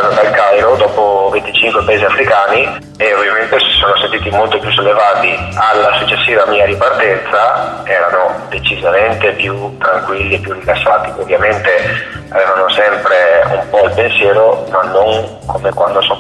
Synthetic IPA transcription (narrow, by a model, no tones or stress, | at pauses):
at̪od̪alkajɾod̪ɔːpovent̪it͡ʃiŋkwepaeziafɾikaːni | eovjament̪esi̥soːnosent̪iːt̪imolt̪opjusːolːevaːt̪ialːasut͡ʃːesːiːvamiːaɾipart̪ɛnt̪saɛːɾanod̪et͡ʃizament̪epjut̪ːɾaŋkwilːiepːjurːikasːaːt̪iovːjament̪e | aveːvanosɛmpɾeṵmpɔilpensjɛːɾomanːoŋ | kʰomekwand̪oso